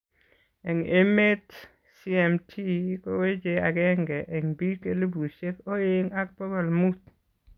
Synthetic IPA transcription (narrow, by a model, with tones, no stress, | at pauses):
ɛ˨ŋe˦me˦t̪ | si˦ɛ˨mtʰi˦ko˦we˦d͡ʒe˨a˨ɡɛ˦ŋɡɛ˨ʔɛ˨ŋbi˦ke˦lu˦bu˨se˦ko˦eŋa˦k̚pɔ˦ɡɔ˨lmu˦t̪